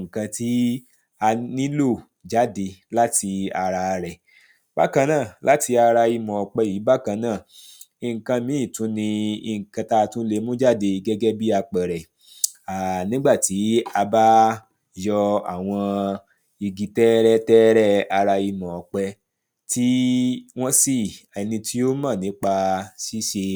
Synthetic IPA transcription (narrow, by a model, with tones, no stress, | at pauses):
ŋ̩˨kã˧ti˦ | a˧nĩ˦lo˦˨ | d͡ʒa˦de˧la˦ti˧a˧ɾa˧ɾɛ˨ | b̥a̰˦kã˧nãː˦˨lʔa˨˦ti˧a˧ɾa˧i˧mɔ̃˨ɔ˨k͡pɛ˧ji˨˦ba˦kã˧nãː˦˨i˧˨ŋ̩˨kã˧mĩ˨˦ĩ˦˨tũ˨˦nĩ˧ḭ˧ŋ̩˨kã˧ta˧tũ˦le˧˦mũ˦d͡ʒa˦˨de˧ɡɛ˦ɡɛ˦bi˦a˧k͡pɛ˨ɾɛ˨ | a˨nĩ˦ɡ͡ba˦˨ti˨˦a˧ba˦ | jɔ˧a̰˨w̃ɔ̃˧ | i˧ɡi˧tɛ˦ɾɛ˦tɛ˦ɾɛ˦a˧ɾa˧i˧mɔ̃˨ɔ˨k͡pɛ˧ | ti˦w̃ɔ̃˦si˦˨a˨˧nĩ˧tʰi˦o˦mãː˦˨nĩ˨˦k͡pa˧si˦ʃe˧